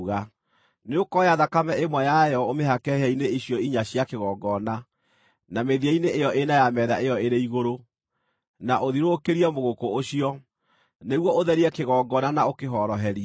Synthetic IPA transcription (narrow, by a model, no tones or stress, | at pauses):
ɣa | neokɔjaðakamɛʔemwɛjajɔomeɦakɛhɛineiɕjɔiɲaɕjakeɣɔɡɔna | nameðiɛineʔejɔʔenajamɛːðaʔejɔeɾeiɣoɾo | naʔoðiɾokeɾiɛmoɣokooɕiɔ | neɣwɔoðɛɾiɛkeɣɔːɡɔnanaokeɦɔɾɔɦɛɾi